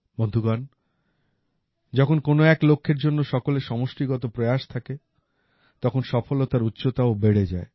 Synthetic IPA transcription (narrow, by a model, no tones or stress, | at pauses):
bond̪ʱuɡan | d͡ʑɔkʰonkonoɛklokʰːeɾd͡ʑonːoʃɔkoleʃɔmoʃʈiɡɔt̪opɾojaʃt̪ʰake | t̪ɔkʰonʃɔfolot̪aɾutːɕʰot̪aobeɽed͡ʑae